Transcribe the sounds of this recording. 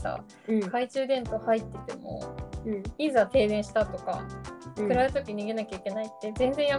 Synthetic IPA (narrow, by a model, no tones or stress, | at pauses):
a̰ | kait͡ɕɨːd̪ẽ̞nt̪o̞hait̪ːe̞t̪e̞mo̞̰ | izat̪e̞ːd̪ẽɰ̃ɕi̥t̪at̪o̞ka̰kɯ̟ɾaet̪okʲiɲ̟iɡe̞nakʲaikʲe̞nait̪ːe̞zẽ̞nd͡zẽ̞ɰ̃ja